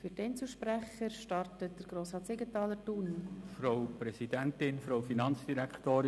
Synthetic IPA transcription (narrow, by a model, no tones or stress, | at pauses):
fyɾdɛnt͡suʃpɾæχəɾʃtɑrtət̚d̥əɾɡ̥ɾoːsɑːtsɪɡətɑːləɾtunfɾowpɾɛsidæntɪnfɾowfinɑnt͡sd̥iɾæktoːɾɪ